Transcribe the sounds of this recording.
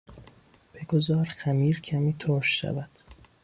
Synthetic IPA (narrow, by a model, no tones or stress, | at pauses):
b̥eɡozɒːɾxæmiːɾcʰæmiːt̪ʰoːʃːæ̰væd̪̥